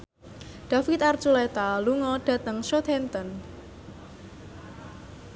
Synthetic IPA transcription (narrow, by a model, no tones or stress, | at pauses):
ɖ̥a̤fit̪art͡ʃulɛt̪aluŋɔɖ̥ä̤t̪əŋʃot̪ʰɛnt̪ən